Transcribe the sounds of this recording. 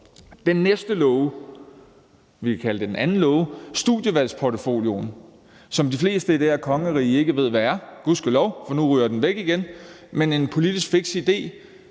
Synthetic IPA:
d̥enːesd̥əlɔːʊ | ʋikækʰæləd̥əd̥enænn̩lɔːʊsd̥uðˠjəʋæl̰spʰɒdəfo̝̰ːljo̝n | sɒ̽md̥ifle̝̰ːsd̥əid̥æɐkʰɒ̽ŋəʁḭːe̝ɡ̥əʋe̝ð̞̰ˠʋææɐɡ̥usɡ̥ælɒʊfɒ̽nuʁyːɐd̥enʋeɡ̥iɡ̥en | mene̝npʰo̝lid̥isɡ̥fe̝ɡ̥sid̥e̝̰ː

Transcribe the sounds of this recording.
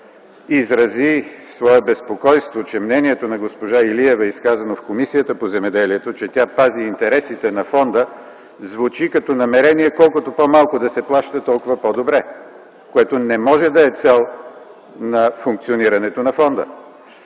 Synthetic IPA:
izɾɐzisvɔɛbɛspokɔjst̪vot͡ʃɛmnɛniɛt̪onɐɡospoʒailiɛvɛiskazənofkomisijət̪əpozɛmɛd̪ɛliɛt̪ot͡ʃɛt̪ʲjapaziːnt̪ɛɾɛsit̪ɛnɐfɔnd̪ə | zvut͡ʃikɐt̪ɔnɐmɛɾɛniɛkɔlˠkʊt̪opomalˠkʊd̪ɐsɛplˠaʃt̪ət̪ɔlˠkʊvəpɔd̪obɾɛ | koɛt̪onɛmɔʒɛd̪ɐɛt̪sɛlˠ | nɐfuŋk̚t̪sioniɾɐnɛt̪onɐfɔnd̪ə̰

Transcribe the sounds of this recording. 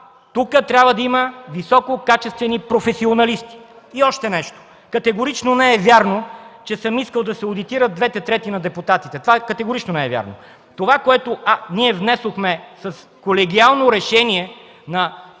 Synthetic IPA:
t̪ukət̪ɾʲabvəd̪ɐiməvisɔkokat͡ʃɛst̪vɛnipɾofɛsionɐlist̪i̥ | iɔʃt̪ɛnɛʃt̪o̥ | kɐt̪ɛɡoɾit͡ʃnonɛɛvʲjaɾnot͡ʃɛsəmiskəlˠd̪ɐsɛod̪it̪iɾəd̪vɛt̪ɛt̪ɾɛt̪inɐd̪ɛput̪at̪it̪ɛt̪ovaɛkɐt̪ɛɡoɾit͡ʃnonɛɛvʲja̰ɾno̰ | t̪ovakoɛt̪oaniɛvnɛsoxmɛsɐs | kolɛɡ̟ʲialˠnoɾɛʃɛniɛ | nɐ

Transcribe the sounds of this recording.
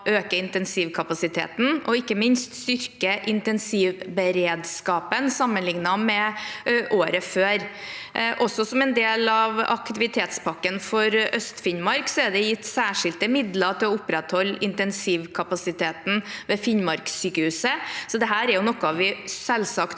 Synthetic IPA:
ʔøːkəɪnt̪ɛnsiːʋkʰɑpɑsɪt̪ʰḛːt̪nʔɔɪkːəmɪnst̪st̪ʏɾkəʔɪnt̪ɛnsiːʋbəɾeːd̪skɑːpənsɑmːənlɪŋnɑmɛʔoːɾəføːɾ | ʔɔsːɔsɔmɛnd̪eːlɑʋɑ̰kt̪ɪʋɪt̪ʰeːt̪spʰɑkːənfɔɾœst̪fɪnmɑɾksɔɛd̪ɛjɪt̪ːsæːʂɪlt̪əmɪd̪ləʈ̪ɪlɔʊpːɾɛt̪hɔlːɪnt̪ɛnsiːʋkʰɑpɑsɪt̪ʰeːt̪n̩ʋɛːfɪnmɑɾksyːkəhʉsəsɔd̪ɛɦæːɾɛɾjʊnɔkːəɑʋʋɪsɛlsɑkt̪

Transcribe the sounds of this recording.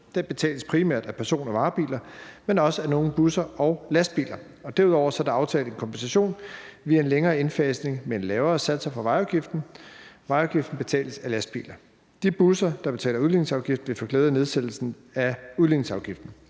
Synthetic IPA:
d̥eb̥e̝t͡sʰɛ̰ːləspʰʁimæɐ̰d̥æpʰæɐso̝̰ːnɐʋɑ̈ːb̥ḭːlɐmenɒ̽səæno̝ːn̩b̥usɐɒ̽ʊlæs̚b̥ḭːlɐ | ɒ̽d̥æɐuðˠɒ̰ʊ̰ɐsɒ̽æd̥ɑ̈ɑ̈ʊt͡sʰɛ̰ːld̥e̝nkʰɒ̽mb̥ensæɕo̝̰ːnʋiæe̝nleŋɐːe̝nfɛːsne̝ŋmee̝nlɛːʊɐːsæd̥sɐfɒ̽ʋɑ̈ɪɑ̈ʊɡ̥ifd̥n̩ʋɑ̈ɪɑ̈ʊɡ̥ifd̥n̩b̥e̝t͡sʰɛ̰ːləsælæsd̚b̥ḭːlɐ | d̥ib̥usɐd̥ɑ̈b̥e̝t͡sʰɛ̰ːlɐuðˠlenɪeŋsɑ̈ʊɡ̥ifd̥ʋe̝fɒ̽ɡ̥leːð̞ˠne̝ð̞ˠsed̥l̩sn̩ | æuðˠleneŋsɑ̈ʊɡ̥ifd̥n̩

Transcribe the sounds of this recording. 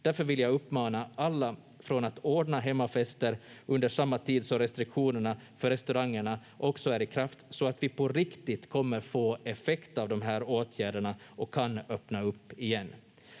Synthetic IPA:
d̪̥æɾfœɾvɪljaɡɵpːmɑːnaʔalːa | fɾɔnat̪oːɖɳaɦɛmːafɛst̪əɾɵnd̪əʂamːat̪ʰiːd̪sɔmɾɛst̪ɾɪkɧuːnəɳafœɾɛst̪ɵɾaŋːəɳa | ʔɔksɔæɾɪkʰɾaft̪sɔat̪vɪpʰɔɾɪkt̪ɪt̪kʰɔmːəɾfoːɛfɛkt̪avd̪ɔmɦæːɾoːt̪ʰjæːɖəɳaɔkʰːanœpnaɵpːɪjɛnː

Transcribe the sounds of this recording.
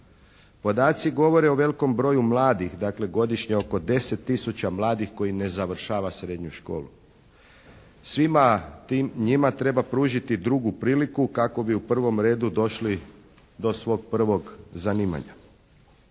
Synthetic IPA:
po̞d̪aːt̪siɡo̞ʋo̞ɾe̞oʋe̞liko̞mbɾo̞ːjumlˠaːd̪ixd̪akle̞ɡo̞d̪iʃɲeo̞ko̞d̪e̞se̞t̪ːisut͡ɕamlˠaːd̪ixko̞jine̞zaʋr̩ʃaːʋasɾeːd̪ɲuʃko̞̰ːlˠṵ | sʋimat̪imɲimat̪ɾe̞bapɾuːʒit̪id̪ɾuɡupɾiːlikukako̞biupr̩ʋo̞mɾe̞ːd̪ud̪o̞ʃli | d̪o̞sʋo̞ːɡpr̩ʋo̞ɡzaniːma̰ɲa̰

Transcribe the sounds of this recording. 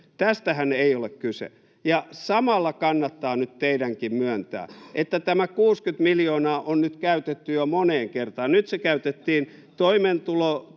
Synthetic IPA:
t̪æst̪æhæneiolekkysḛ | jɑsɑmɑlːɑkɑnːɑt̪ːɑːnyt̪t̪eidæŋkimmyænt̪æ̰ːʔet̪ːæt̪æmækuːskyt̪miljoːnɑːʔonnyt̪kæyt̪et̪ːyjomoneːŋkert̪ɑːnnyt̪sekæyt̪et̪ːiːn | t̪oiment̪ulo

